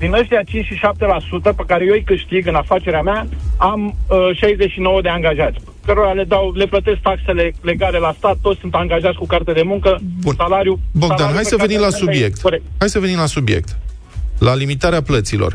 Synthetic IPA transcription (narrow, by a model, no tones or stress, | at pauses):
d̪inəʃt̪iat͡ʃint͡ʃʲʃiʃap̚t̪e̞lasut̪əpekaɾe̞jejkɨʃt̪iɡɨnafat͡ʃe̞ɾeameaaməʃajzeʃino̞wəd̪e̞aŋɡaʒat̪sʲ | kəɾo̞ɾale̞d̪awle̞plət̪e̞sk̚t̪akse̞le̞le̞ɡale̞last̪at̪ːot̪ssunt̪aŋɡaʒat̪sʲkukart̪ed̪e̞muŋkəsalaɾjuboɡɡ̪anɦajsəvenimlasubjek̚t̪oɾekt̪hajsəvenimlasubje̞̰k̚t̪ | lalimit̪aɾeaplət̪silo̞̰r